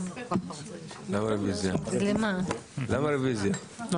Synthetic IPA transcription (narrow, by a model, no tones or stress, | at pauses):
lamaɾibeziãlemãlamaɾibeziã